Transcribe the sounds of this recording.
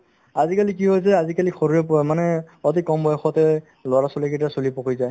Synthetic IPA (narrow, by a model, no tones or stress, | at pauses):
azikalikiɦojs̬ɛazikalixoɹuɹɛpɔɛmanɛɔt̬ikɔmbɔjɔxɔtɛ | lɔɹasɔliketasolipɔkʰujzaj